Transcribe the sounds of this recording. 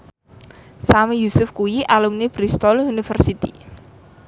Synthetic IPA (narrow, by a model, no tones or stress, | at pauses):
samijusʊfkujiʔalumnib̥ɾist̪ɔlunifərsit̪i